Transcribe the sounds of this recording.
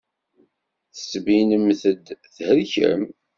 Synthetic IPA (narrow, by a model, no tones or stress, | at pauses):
θə̥sːbinəmθəd̪θhəɾçə̰m